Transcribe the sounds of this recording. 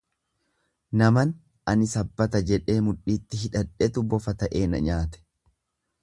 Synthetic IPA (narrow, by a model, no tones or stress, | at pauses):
nɐmɐn | ʔɐnɪsɐbːɐt̪ɐd͡ʒɛᶑe̞ːmʊᶑiːt̪ːɪɦɪᶑɐᶑɛt̪ʊbɔfɐt̪ɐʔe̞ːnɐ̰ɲaːt̪ɛ̥